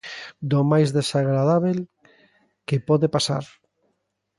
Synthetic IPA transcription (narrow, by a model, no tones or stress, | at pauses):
d̪omajzðesaɣɾaðaβel | kepɔðepasa̰ɾ